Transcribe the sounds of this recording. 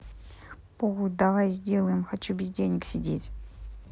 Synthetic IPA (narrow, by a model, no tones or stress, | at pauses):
poɣud̪avajzʲdʲelˠəjɪmxat͡ɕubʲɪzʲdʲenʲɪksʲɪdʲetʲ